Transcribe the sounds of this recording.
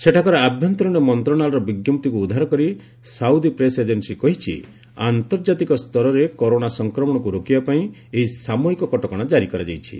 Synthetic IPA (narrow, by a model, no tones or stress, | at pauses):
seʈʰakɔɾɔabʱjɔnt̪ɔɾɔɽ̃ɔmɔnt̪ɾɔɽnalɔɾɔbiɡjɔmt̪ikuːd̪ʱːaɾɔkɔɾi | sawd̪ipɾesed͡ʒensikɔɦit͡ʃʰḭ | a̰nt̪ɔɾd͡ʒat̪ikɔst̪ɔɾɔɾekɔɾoɽ̃asɔŋkɾɔmɔɽ̃ɔkuɾokibapaĩeɦisamɔɦikɔkɔʈɔkɔɽ̃ad͡ʒaɾikɔɾad͡ʒajt͡ʃʰḭ